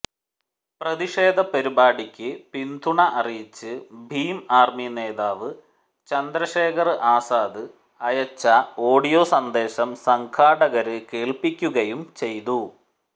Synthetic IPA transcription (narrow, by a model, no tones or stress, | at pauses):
prɐðiʂe̞ːd̪ʱɐpɐɾibaːɽikʲːɨpind̪ʰʱuɳɐʔɐrijit͡ɕːɨbʱiːmaːrmine̞ːðaːʋɨ | t͡ɕɐnd̪ɾɐɕeːkʰɐrɨʔaːsaːd̪ɨ | ɐjɐt͡ɕːɐo̞ːɽijo̞ːsɐnd̪e̞ːɕɐmsɐŋkʰaːɽɐɣɐɾɨke̞ːɭpikʲːuɣɐjumt͡ɕe̞jt̪u